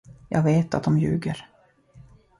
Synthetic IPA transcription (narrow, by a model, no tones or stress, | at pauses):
jɑ̰ːɡveːt̪at̪̚d̪ɔmjʉ̟ːɡəɾ